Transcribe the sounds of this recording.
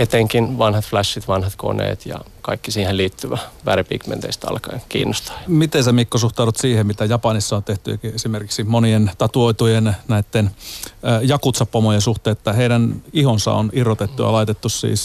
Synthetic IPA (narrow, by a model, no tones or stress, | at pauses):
et̪eŋkinʋɑnhɑt̪flæsːit̪ʋɑnhɑt̪ko̰nḛːt̪jɑ̰ | kɑikːisiːhelliːt̪ːyʋæʋærepḭːkmḛnt̪ḛist̪ɑ̰lkɑjkḭːnːost̪ɑ̥mit̪ensemikːosuht̪ɑˑuɾut̪siːhemmit̪æjɑpɑnisːɑont̪eht̪yḛkiesimerkiksimonient̪ɑt̪uoit̪ujennæit̪ːenː | jɑkut̪sɑpːomojensuht̪eːet̪ːæheidænihonsɑ̰o̰nirːot̪et̪ːujɑ̰lɑit̪et̪ːussḭːs